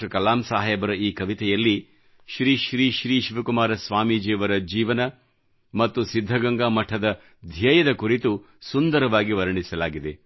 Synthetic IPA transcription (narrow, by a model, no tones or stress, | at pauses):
ɾɐkɐlaːmsaːɦɛːbɐɾɐiːkɐʋit̪ɛjɐlːi | ʃɾiːʃɾiːʃɾiːʃiʋɐkumaːɾɐsʋaːmid͡ʒɛːʋɐɾɐd͡ʒiːʋɐnɐ | mɐt̪ːusid̪ʱːɐɡɐŋɡamɐʈʰɐd̪ɐ | d̪ʱjɐjɐd̪ɐkuɾit̪u | sund̪ɐɾɐʋaːɡiʋɐɾɐɳisɐlaːɡid̪e